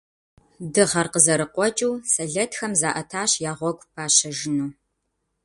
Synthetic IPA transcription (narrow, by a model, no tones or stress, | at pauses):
dɨʁɐrqəzɐɾɨqʷʼɔt͡ʃʼuːsɐɮɐtʰxɐmzaːʔɐtʰaːɕjaːʁʷɔɡʷʼpʰaːɕɐʒɪnuː